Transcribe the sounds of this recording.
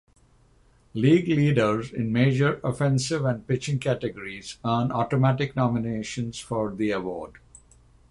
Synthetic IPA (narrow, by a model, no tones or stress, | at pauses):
liːɡliːɖəɾzɪ̰̃nmeːd͡ʒəɾɔfɛ̃nsɪʋæ̃ɳɖ̚pɪt͡ʃɪ̃ŋkæʈeɡəɾiz̥ə̃ːnɔːʈomæʈɪknɔːmɪneːʃə̃nz̥fɔɾd̪iəʋɔ̰ːɖ